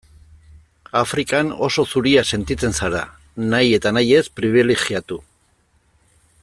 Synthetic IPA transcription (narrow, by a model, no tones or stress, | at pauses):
afɾikano̞̰so̞suɾiase̞nt̪it͡se̞nsaɾa | naje̞t̪anaje̞spɾiβ̞ileɣiat̪u